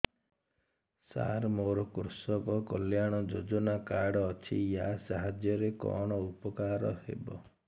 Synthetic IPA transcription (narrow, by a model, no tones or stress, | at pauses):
sa̰ɾmoɾɔkuɾsɔkɔkɔljaɽ̃ɔd͡ʒod͡ʒɔnakaɽɔːt͡ʃʰḭjasaɦad͡ʒjɔɾekɔ̰ɽ̃ɔupɔkaɾɔhḛbɔ